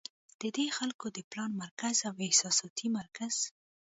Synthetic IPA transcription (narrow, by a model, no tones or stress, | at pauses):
d̪̥əd̪exalkod̪əplɑnmaɾkazawɪhsɑsɑt̪ʰimaɾkaz̥